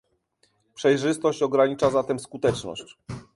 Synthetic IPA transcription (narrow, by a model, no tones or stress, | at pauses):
pʂɛjʐɘst̪ɔɕt͡ɕɔɡɾaɲit͡ʂazat̪ɛmskut̪ɛt͡ʂnɔ̰ɕt͡ɕ